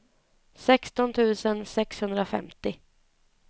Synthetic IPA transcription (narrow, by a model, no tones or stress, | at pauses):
sɛkst̪ɔnt̪ʰʉ̟ːsənsɛkshɵnd̪ɾafɛ̰mt̪ɪ